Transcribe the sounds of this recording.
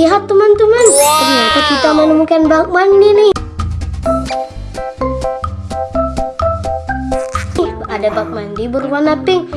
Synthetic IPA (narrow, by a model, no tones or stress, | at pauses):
iɦat̪ːumant̪umantənakukit̪amənəmukanbak̚maŋdinɪ | ɪhadabak̚mandibəɾupanapɪŋ